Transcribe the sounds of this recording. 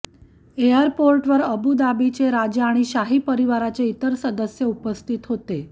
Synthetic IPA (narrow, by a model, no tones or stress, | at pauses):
eəɾpoɾʈʋəɾəbud̪abit͡ɕeɾad͡ʑəaɽ̃iɕaɦiːpəɾiʋaɾat͡seit̪əɾsəd̪əsjəupəst̪ʰit̪ɦot̪e